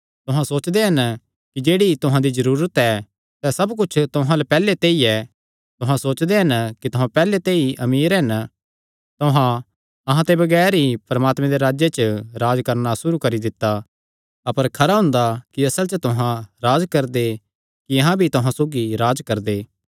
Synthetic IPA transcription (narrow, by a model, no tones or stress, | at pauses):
t̪ʊɦãsoːt͡ʃd̪eɦɐn | kid͡ʒeːɽit̪ʊɦãd̪izɐɾuːɾət̪ɛ | sɛsɐbkʊt͡ʃʰt̪ʊɦãlepɛːlet̪eːiɛ | t̪ʊɦãsoːt͡ʃd̪eɦɐnkit̪ʊɦãpɛːlet̪eːiʔɐmiːɾɦɐn | t̪ʊɦã | ɐɦãt̪ebɐɡɛːɾɦipɐɾɐmaːt̪mẽd̪eɾaːd͡ʒjet͡ʃəɾaːd͡ʒkɐɾnasʊɾukɐɾid̪ɪt̪ːa | ɐpəɾkʰɐɾaɦʊ̃nd̪akiɐsəlt͡ʃət̪ʊɦãɾaːd͡ʒkɐɾd̪e | kiɐɦãbʱit̪ʊɦãsoːɡiɾaːd͡ʒkɐɾd̪eː